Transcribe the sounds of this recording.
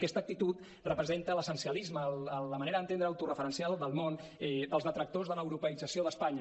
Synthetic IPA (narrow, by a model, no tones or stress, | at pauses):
kɛst̪ək̚t̪it̪ut̪ | rəpɾəzent̪ələsənsiəlizməlːləməneɾəðənt̪end̪ɾəəwt̪urəfəɾənsialˠd̪əlˠmonɛd̪əlˠzðət̪ɾək̚t̪ozðələwɾupəid͡zəsioðəspaɲə